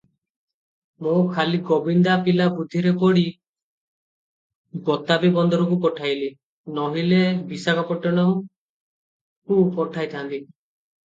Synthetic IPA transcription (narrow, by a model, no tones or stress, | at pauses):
mokʰaliɡobind̪apilabud̪ʱːiɾepɔɽi | bɔt̪abibɔnd̪ɔɾɔkupɔʈʰajli | nɔɦilebisakɔpɔʈːɔnɔm | kupɔʈʰajt̪ʰant̪i